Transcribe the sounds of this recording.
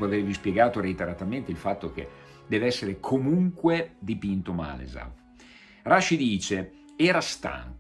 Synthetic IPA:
eavervispjeɡaːt̪oɾeit̪eɾat̪ament̪eilfat̪ːok̟ḛ | d̪ɛːveɛsːeɾekʰomuŋkwed̪ipint̪oma̰ːlḛza̰f | raʃid̪iːt͡ʃe | ɛːɾast̪a̰ŋk

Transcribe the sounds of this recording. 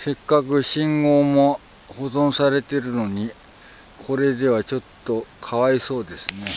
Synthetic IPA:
se̞kːakɯ̟ɕĩŋɡo̞ːmo̞ | ho̞zõɰ̃saɾe̞t̪e̞ɾɯ̟no̞ɲ̟i | kʰo̞ɾe̞d̪e̞βat͡ɕo̞t̪ːo̞kʰaβaiso̞ːd̪e̞sɨne̞

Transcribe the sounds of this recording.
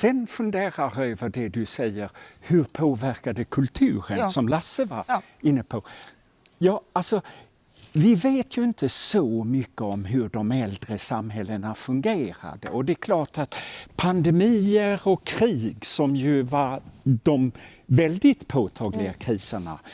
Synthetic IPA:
sɛnfɵnd̪eːɾaɾøːvəɖɛd̪ɵsɛjːəɾhɵɾpʰoːvæɾkad̪əkʰɵlt̪ʰʉ̟ːɾənsɔmlasːəvaɾ | ɪnːəpʰɔ | jɑːalsɔ | vɪveːt̪ʰjɵɪnt̪əsɔmʏkːəɔmɦɵɖɔmɛld̪ɾəsamɦɛlːənafɵŋɡeːɾa̰d̪ə̰ʔɔd̪ɛkʰlɑːʈat̪pʰand̪ɛmiːəɾɔkʰːɾiːɡsɔmjɵvaɾd̪̥ɔmvɛld̪ɪt̪pʰoːt̪ʰɑːɡlɪɡakʰɾiːsəɳa̰

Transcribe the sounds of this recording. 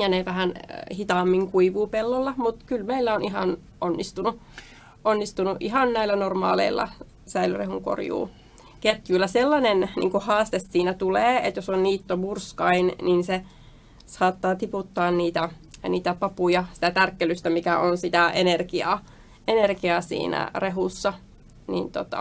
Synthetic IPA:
jɑneʋæhænhit̪ɑːmːiŋkuiʋuːpelːolːɑmut̪kylmeilːæoniɦɑn | ʔonːist̪unu | onːist̪unuʔʔiɦɑnnæilːˑænormɑ̰ːlḛilːɑ̰ | sæilyrḛhuŋko̰rjṵː | ket̪jyːlːæselːɑnennḭːŋkuhɑːst̪essiːnæt̪uleːet̪josonniːt̪ːomurskɑinninse | sɑːt̪ːɑːt̪iput̪ːɑːnniːt̪æ | niːt̪æpɑpujɑsi̥t̪æt̪ærkːelyst̪æmikæonsit̪æʔenerkiɑ̰ | enerkiɑsḭːnæ̰reɦusːɑ | nḭːnt̪ot̪ɑ̰

